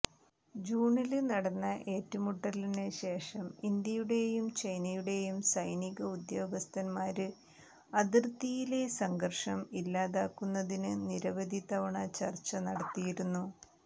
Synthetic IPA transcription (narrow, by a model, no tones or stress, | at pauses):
d͡ʑuːɳilnɐɽɐnːɐʔe̞ːtːumuʈːɐlineɕe̞ːʂɐmind̪jɐjuɽe̞jumt͡ɕɐjnɐjuɽe̞jumsɐjniɣɐud̪joːɡɐst̪ʰɐnmaːɾɨ | ɐðirt̪ːijile̞sɐŋɡɐrʂɐmilːaːðaːkːunːɐðinɨniɾɐʋɐd̪ʱit̪ɐʋɐɳɐt͡ɕɐrt͡ɕːɐnɐɽɐt̪ːijiɾunːu